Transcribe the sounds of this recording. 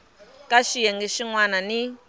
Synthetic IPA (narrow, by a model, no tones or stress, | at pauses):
kʼaʃijɛŋɡɛʃiŋwanani